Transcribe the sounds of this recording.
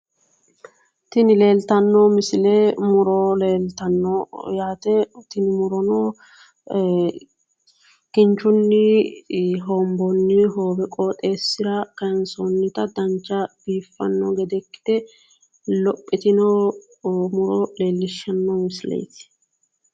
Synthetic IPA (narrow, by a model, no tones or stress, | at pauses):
t̪ɪnɪle̞ːlt̪ɐnːomɪsleːmʊɾoleːlt̪ɐnːɔjaːt̪ɛt̪ɪnɪmʊɾɔnoː | kɪnt͡ʃːʊnːɪ | ɦoːmbɔnːɪɦoːbɛkʼoːt̪ʼe̞ːsːɪɾɐkɐnsonːɪt̪ɐd̪ɐnt͡ʃːɐb̥iːfːɐ̰nːɔɡɛd̪ɛkːɪ̥d̪̥ɛ | lɔpʼːɪt̪ɪnoː | mʊɾɔle̞ːlːɪʃːɐnːomɪsɪlḛjt̪ɪ̥